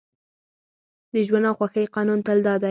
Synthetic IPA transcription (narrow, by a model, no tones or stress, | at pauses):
d̪əʒwanawxwaxəjqɑnunt̪ald̪ɑd̪a